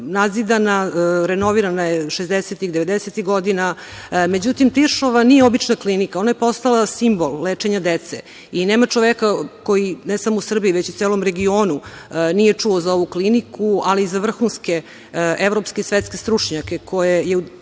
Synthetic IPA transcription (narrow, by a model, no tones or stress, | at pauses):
nazid̪anaɾenoʋiɾanajeʃezd̪eset̪ixd̪eʋe̞d̪eset̪iɣɡo̞d̪iname̞d͡ʑut̪imt̪iʃoʋanijeobit͡ʃnaklinikaonajepo̞st̪alasimbo̞lˠleːt͡ʂeɲad̪et̪sḛ | ineːmat͡ʂoʋekako̞jinesamo̞usr̩biiʋet͡ɕut̪seːlo̞mɾe̞ɡioːnu | nijet͡ʂuozao̞ʋuklinikʰualiːzaʋr̩xunske̞ | evɾo̞pskesʋet̪ske̞st̪ɾut͡ʂɲake̞kʰo̞jejeu